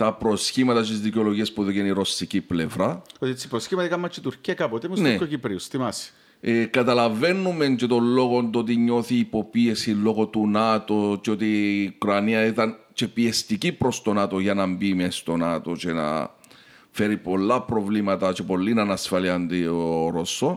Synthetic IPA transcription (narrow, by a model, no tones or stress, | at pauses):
t̪ɐpɾo̞sçimɐt̪ɐst̪izðico̞lo̞ʝiɐspuðoʝeniɾo̞siciplevɾɐot̪iet͡sːi̥pɾosçimɐt̪ikɐmːɐt͡ʃːit̪uɾciɐkɐpot̪emesnekocipɾiust̪imɐsi̥ | ekɐt̪ɐlɐve̞nːume̞nt͡ʃet̪o̞lːo̞ɣond̪oot̪̬iɲo̞θiːpo̞pie̞silo̞ɣo̞t̪unɐt̪o̞t͡ʃeo̞t̪iukɾɐniɐit̪ɐn | t͡ʃe̞piest̪icipɾo̞st̪o̞nat̪o̞ʝɐnɐmbimest̪o̞nɐt̪o̞t͡ʃe̞nɐ̰ | fe̞ɾipo̞lːɐpɾo̞vlimɐt̪ɐt͡ʃe̞po̞lːinɐnɐsfɐliɐnd̪iooɾosːo